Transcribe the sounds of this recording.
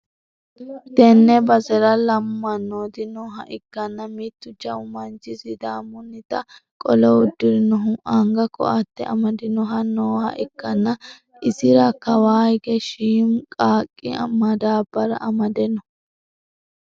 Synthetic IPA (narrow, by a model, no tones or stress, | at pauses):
t̪ɛnːɛbɐzɛɾɐlɐmːɐnːoːd̪ɪnɔːɦɐ̰ʔɪkːɐnːɐmit̪ːʊd͡ʒɐʊmɐnt͡ʃɪsɪd̪aːmʊnːɪt̪ɐkʼɔlɔʊd̪ːɪɾɪnɔɦʊʔaŋɡɐkɔ̰ʔɐt̪ːɛ̰ʔɐ̰mɐd̪ɪnɔɦɐnoːhɐ̰ʔɪkːɐnːɐ | ʔɪsɪɾɐkːɐwaːjɡɛʃiːmkʼaːkʼːɪ̰ɐ̰mɐd̪aːbɐɾɐ̰ʔɐmɐd̪ɛnɔ